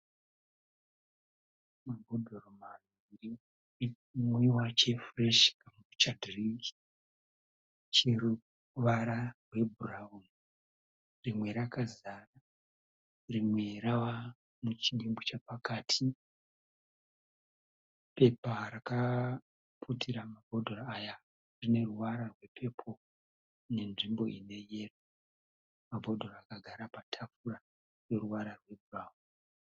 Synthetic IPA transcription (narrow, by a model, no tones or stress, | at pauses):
mabʱodʱoromano | iri | mwiwat͡ʃe̞freʃkamuut͡ʃadriki | t͡ʃeɾu | ʋaɾarwe̞bʱuraun | rimwe̞ɾakazara | rimwe̞ɾawa | mut͡ʃiɗimbut͡ʃapakaːtʰi | pe̞paraka | pʰutʰiɾamabʱo̞dʱoraaja | rine̞ruʋaɾarwe̞pʰe̞pʰo̞ | ne̞nʐimbo̞ine̞je̞ro | mabʱodʱo̞raakaɡʱaɾapatʰafuɾa | rwe̞ruʋaɾarwe̞buraːwu